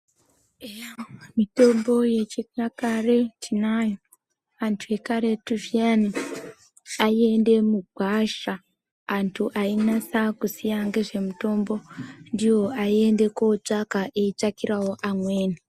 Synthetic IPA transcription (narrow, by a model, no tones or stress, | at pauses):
emito̞mbo̞je̞t͡ʃekakaretʰinajo | antʰue̞kaɾe̞tuviani | aie̞nde̞muɡʱwaʃaː | ntʰuʔainasakusijaŋɡe̞ʐe̞muto̞mbo̞ndijo̞ʔaie̞nde̞ko̞t͡ʂakaʔeit͡ʃakiɾawo̞ʔamwe̞ːni